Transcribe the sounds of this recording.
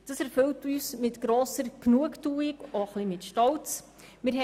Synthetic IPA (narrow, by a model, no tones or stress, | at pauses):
d̥ɑsæɾfɵltyːsmɪtɡ̥ɾoːsəɾknuəktuːɪɡoχlimɪtʃtɔlt͡s | mɪɾɦɛ